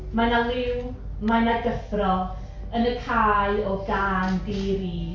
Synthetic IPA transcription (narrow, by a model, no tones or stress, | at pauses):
manalˠɪw | manaɡəfrɔ | ənəkʰaːjɔɡaːndeɾi